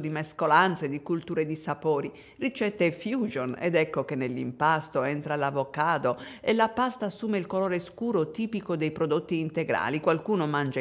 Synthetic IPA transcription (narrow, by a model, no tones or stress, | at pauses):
d̪imeskolant̪sed̪ikult̪uːɾed̪isapoːɾi | rit͡ʃɛt̪ːefjuːd͡ʒonḛd̪ɛkːokenːelːḭmpast̪oɛnt̪ɾalavokaːd̪oelapast̪aːsːuːmeilkoloːɾeskuːɾot̪iːpikod̪ejpɾod̪ot̪ːiːnt̪eɡɾa̰ːlikwalkuːnomand͡ʒe